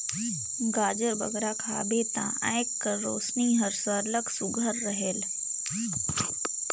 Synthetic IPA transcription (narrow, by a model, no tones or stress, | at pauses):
ɡaːd͡ʒəɾbɐ̰ɡɾakʰa̰ːbeːt̪ã̰ʔɛjkːəɾːoːsniɦəɾsəɾləksʊɡʱəɾːəɦel